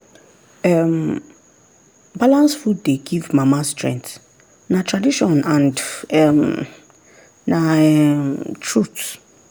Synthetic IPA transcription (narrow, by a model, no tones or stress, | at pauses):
ɛm | balãnsfud̚deɡivmamastɹɛ̰̃ŋkθ | natʰɹadiʃɔ̃nãndɛm | na | tʰɹut